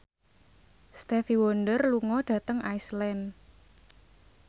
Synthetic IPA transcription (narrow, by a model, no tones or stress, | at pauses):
st̪ɛfiwɔnɖərluŋɔɖ̥ä̤t̪əŋajslɛn